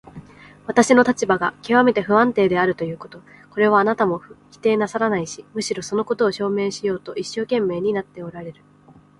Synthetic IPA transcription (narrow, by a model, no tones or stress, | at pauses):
β̞at̪aɕino̞t̪at͡ɕibaɡake̞βame̞t̪e̞ɸɯ̟βãnt̪e̞ːd̪e̞aɾɯ̟t̪o̞jɯ̟ːko̞t̪o̞ | ko̞ɾe̞β̞aːnat̪amo̞ɯkʲi̥t̪e̞ːnasaɾanaiɕimɯ̟ɕiɾo̞so̞no̞ko̞t̪o̞ːɕo̞ːme̞ːɕijo̞ːt̪o̞ʔiɕːo̞ːkẽ̞mːe̞ːɲ̟inat̪ːe̞o̞ɾaɾe̞ɾɯ̟